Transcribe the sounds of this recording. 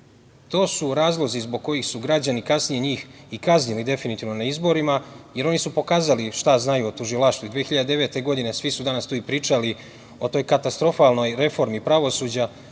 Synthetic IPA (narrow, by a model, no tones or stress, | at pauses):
t̪o̞ːsuɾaːzlˠo̞zizboɡ̚ko̞jixsuɡɾad͡ʑanikasnije̞ɲiːx | ikazɲilid̪e̞finit̪iːʋno̞naizbo̞ɾimaje̞ɾo̞nisupo̞kaːzaliʃt̪aznajuot̪uʒilˠaʃt̪vuid̪ʋeːxiʎad̪ed̪e̞ʋe̞t̪e̞ɡo̞d̪ine̞sʋisud̪anast̪uːipɾiːt͡ʃali | o̞t̪o̞jkat̪ast̪ɾo̞falno̞jɾe̞fo̞ɾmipɾaʋo̞suːd͡ʑa